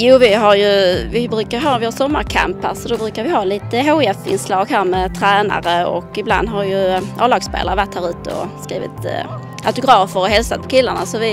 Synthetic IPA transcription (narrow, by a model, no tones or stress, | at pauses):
juːvɪɦaɾjɵvɪbɾʉ̟ːkaɾjɦɑːvɪhasɔmːaɾkʰa̰mpːə̰ɾʂɔd̪ɛbɾʉːkaɾvɪɦɑːliːt̪əɦoːɛfɪ̰nslɑːɡɦæːɾmɛt̪ʰɾæːna̰ɾəɔ̰kɪbla̰nd̪ɦajɵʔɑːlɑːɡspḛːlaɾəvaʈʰhæːɾʉ̟ːt̪əɔ̰skɾiːvɪ̰t̪ | ʔat̪ʊɡɾɑːfəɾɔɦɛlsat̪̚pʰɔ̥kʰɪlːəɳa̰sɔvɪ